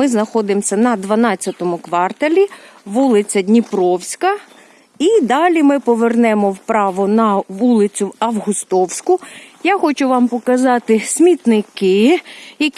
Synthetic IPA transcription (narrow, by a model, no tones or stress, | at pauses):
ɪznɐxɔd̪ɪmsʲɐnɐd̪ʋɐnɑt͡st͡sʲːɐt̪ɔmʊkʋɑrt̪ɐlʲiʋulˠɪt͡sʲɐdʲnʲipɾɔwsʲkɐ | id̪ɑlʲimɪpɔʋernɛmɔwpɾɑʋɔnɐʋulˠɪt͡sʲʊwɐwɦʊst̪ɔwsʲkʊjaxɔt͡ʃʊʋɑmpɔkɐzɑt̪ɪsʲmʲit̪nɪkɪjɐkʲ